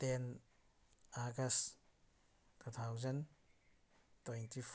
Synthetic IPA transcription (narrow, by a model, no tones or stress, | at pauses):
tɛn | aɡɐs | tʰut̪ʰawzɐn | tɔjntʰif